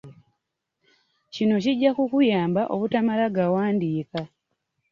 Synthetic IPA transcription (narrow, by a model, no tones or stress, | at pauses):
cino̞ciɟakukujaːmbaʔo̞βutamalaɡawaːndiːka